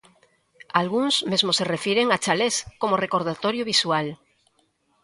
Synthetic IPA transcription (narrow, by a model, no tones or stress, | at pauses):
alɣuŋzmezmoserefjeɾeŋat͡ʃaleskomorekoɾð̞at̪oɾjoβiswal